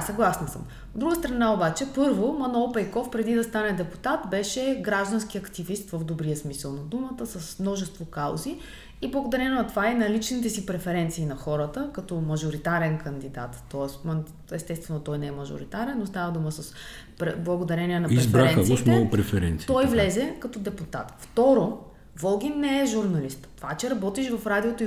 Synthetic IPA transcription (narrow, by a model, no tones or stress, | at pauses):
sɐɡlˠasnɐsə̰m | od̪ːɾuɡəst̪ɾɐnaobat͡ʃɛpɤɾvomɐnoːpɛjkɔfpɾɛd̪id̪ɐst̪anɛd̪ɛput̪at̪bɛʃɛɡɾaʒd̪ɐnskiɐkt̪ivist̪vəvd̪obɾiəsmisəlˠnɐd̪umət̪əsɐsmnɔʒɛst̪vokaʊzi | iblˠɐɡod̪ɐɾɛnonɐt̪ovainɐlit͡ʃnit̪ɛsipɾɛfɛɾɛnt̪siːnɐxɔɾət̪əkɐt̪ɔmɐʒoɾit̪aɾɛnkɐnd̪id̪a̰t̪ːɔɛsm | ɛst̪ɛst̪vɛnot̪ɔjnɛɛmɐʒo̰ɾḭt̪aɾɛnːost̪avəd̪uməsɐs | pɾɛblˠɐɡod̪ɐɾɛniɛnɐpiɾzfɛɾaɛnəvɔismnoɡʊpɾɛfɛɾɛ̰nt̪si̥t̪ɔjvlɛzɛkɐt̪ɔd̪ɛput̪a̰t̪ft̪ɔɾo | vɔlˠɡʲinːɛɛʒuɾnɐlist̪t̪o̥vat͡ʃɛɾɐbɔt̪iʃvɐfɾad̪iot̪oi